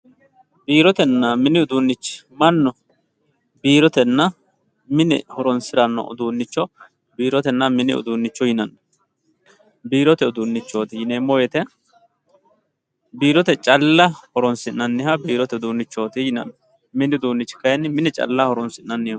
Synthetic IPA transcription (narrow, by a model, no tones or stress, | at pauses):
biːɾɔt̪ɛnːɐmɪnɪʊd̪uːnːɪt͡ʃːmɐnːɔ | biːɾɔt̪ɛnːɐ | mɪnɪ̰hɔɾɔnsɪɾɐnːɔ̰ʔʊ̰d̪uːnːɪt͡ʃːɔ | biːɾɔt̪ɛnːɐmɪnɪ̰ʊ̰d̪uːnːɪt͡ʃːɔjɪnɐnɐ | biːɾɔt̪ɛʊd̪unːɪt͡ʃːoːt̪ɪjɪneːmːɔjɛt̪ɛ | biːɾɔt̪ɛt͡ʃʼɐlːɐhɔɾɔnsɪnːɐnːɪhɐbiːɾɔt̪ɛʊd̪uːnːɪt͡ʃːoːt̪ɪjɪnɐ̰n | mɪnɪʊd̪uːnːɪt͡ʃːɪ̥kɐjɛnɪmɪnɛt͡ʃʼɐ̰lːɐhɔɾɔnsɪnnɐnːɪ